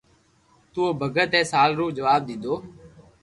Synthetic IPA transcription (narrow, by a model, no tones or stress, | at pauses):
t̪uːoːbʱəɡʱət̪ɛ̃ːsaːlɾuːpd͡ʒəʋaːb̚d̪ɪ̃nd̪oː